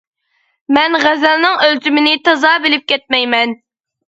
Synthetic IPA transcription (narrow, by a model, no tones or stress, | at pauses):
mɛnʁæzælnɨŋølt͡ʃ̪ʰymɪnɪt̪ʰɑzɑːbɪlɪp̚kʲʰɛt̪̚mɛjmɛn